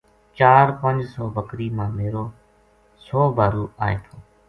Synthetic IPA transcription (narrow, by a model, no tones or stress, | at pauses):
t͡ʃaːɾpənd͡ʒsɔːʋəkɾiːmãːmeːɾoː | sɔːbaːɾuːaːeːt̪ʰoː